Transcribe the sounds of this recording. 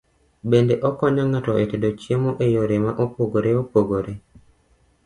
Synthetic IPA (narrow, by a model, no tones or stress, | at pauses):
bendeʔɔkɔɲaŋatɔʔetedot͡ʃjemoʔejoɾemaʔopoɡoɾeopoɡoɾe